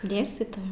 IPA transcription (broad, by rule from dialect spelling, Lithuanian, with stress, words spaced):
ˈdʲeːsʲtʲiːtoːjɛ